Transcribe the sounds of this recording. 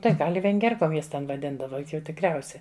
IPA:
ˈtɐɪ ˈɡɐlʲ ɪ ʋʲɛŋʲˈɡʲiɛrkoːm ˈjɛs tʲɛn ʋɐˈdʲɪndɐʋɐ ˈjʊk jɛʊ tʲɪkrʲˈɛʊsʲɛ

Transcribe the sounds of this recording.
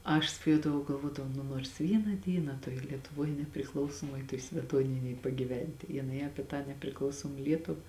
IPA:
ˈɐʃ sʋɐˈjuɔdɐʋɐʊ ɡɐlˠˈʋuɔdɐʋɐʊ ˈnʊ noːrs ˈʋʲiːnɐ ˈdʲiːnɐ tuɔj lʲiɛtʊˈʋuɔj nʲɛpʲrʲɪˈklˠɐʊsoːmuɔj tuɔj sʲmʲɛˈtuɔnʲɪnʲeːj pɐɡʲiːˈʋʲɛnʲtʲɪ jɪˈnɐɪ ɐˈpʲiɛ tɑː nʲɛpʲrʲɪˈklˠɐʊsoːm ˈlʲiɛtʊʋɐ

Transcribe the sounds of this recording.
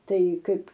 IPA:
ˈtɐɪ ˈkɐɪp

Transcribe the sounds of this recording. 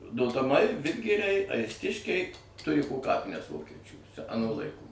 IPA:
doːtɐˈmɐɪ ˈʋʲɪdʲɡʲɪrʲɛɪ ɐɪsʲˈtʲɪʃʲkʲɛɪ ˈtʊrʲɪ poː ˈkɑːpʲɪnʲɛs ˈʋoːkʲɛt͡ʃʲuː ɐˈnuː lˠɐɪˈkuː

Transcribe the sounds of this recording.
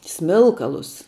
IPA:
ˈsʲmʲɪlˠkɐlˠʊs

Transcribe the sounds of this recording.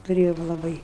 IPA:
tʊˈrʲeːjoːm lˠɐˈbɐɪ

